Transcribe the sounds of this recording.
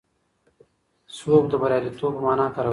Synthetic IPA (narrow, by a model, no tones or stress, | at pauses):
soːk̚d̪əbɐɾjaːd̪it̪oːpɐmaːnaːkɐɾɐ